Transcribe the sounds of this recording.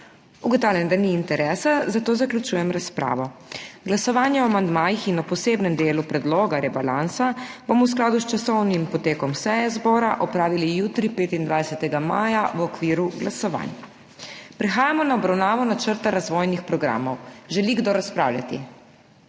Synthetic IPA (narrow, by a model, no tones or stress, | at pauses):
uɡɔt̪awlʲjɛnd̪aniːnt̪ɛɾɛːsazat̪oːzaklʲut͡ʃuːjɛmɾaspɾʔa̰ːʋɔɡlasɔʋaːnjɛwamand̪maːjixinɔpɔseːbnɛmd̪eːlupɾɛd̪loːɡaɾɛbalansabomɔws̬klaːd̪ust͡ʃasɔwnimpɔt̪eːkɔmsɛjɛzbɔːɾaʔɔpɾaːʋilijuːt̪ɾipeːt̪ind̪ʋajsɛt̪ɛɡama̰ːjawɔkʋiːɾuɡlasɔʋa̰ːn | pɾɛxaːjamɔnaɔbɾawnaːʋɔnat͡ʃəɾt̪aɾazʋoːjnixpɾɔɡɾa̰ːmɔwʒɛliɡd̪oɾaspɾa̰ːwlʲja̰t̪ḭ